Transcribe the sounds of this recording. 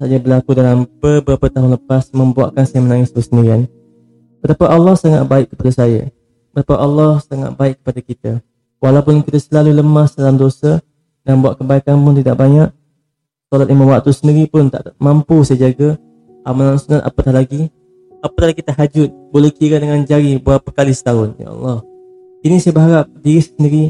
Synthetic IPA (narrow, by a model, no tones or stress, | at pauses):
sad͡ʒabəlakudalambəbəɾapət̪aɦʊnləpasmə̃mbua̰ʔkansajəmənaŋɪsbəsəndiɾian | b̥ət̪apəʔɑlːɔhsaŋa̰t̪̚baɪʔkːə̥padasaja̰ | bət̪apaʔɑlːɔhsaŋa̰t̪̚baɪkːə̥padakit̪a | walawp̬ʊnkit̪əsəlaluləmasdalamdosa | danbuaʔ̪̚kəbaikanpʊnt̪idaʔbaɲaʔ | sɔlat̪̚imamwaʔt̪usəndiɾipʊnt̪a̰ʔmampusajad͡ʒaɡa | ʔamalaŋsunanʔa̰pət̪aɦlaɡi | apət̪ahaakɡit̪aɦad͡ʒʊt̪̚bolɛhkiɾadəŋand͡ʒaɾibuapəkalisə̥t̪aʊnja̰ʔɑ̰lːɑh | inisajabəɦaɾap̚diɾissəndiɾi